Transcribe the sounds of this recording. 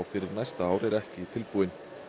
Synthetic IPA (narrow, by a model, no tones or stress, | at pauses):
wfɪɾɪɾnajst̪aaːwɾɛɾɛhcɪt̪ʰɪlpuːɪn